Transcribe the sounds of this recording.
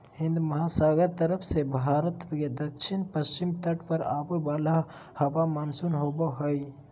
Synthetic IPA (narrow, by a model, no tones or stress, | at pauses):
hɪ̃nd̪mɐɦasaːɡəɾt̪əɾəpʰsebʱaːɾət̪ked̪ɐʃʰinpəst͡ʃimt̪əʈpəɾaːbəbaːla | hɐʋamaːnsunɦobəɦoj